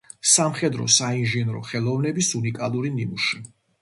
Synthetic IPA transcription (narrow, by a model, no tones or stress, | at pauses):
samχɛd̪ɾɔ̰sainʒɛnɾɔ̰χɛlˠɔvnɛbisunikʼalˠuɾinimuʃi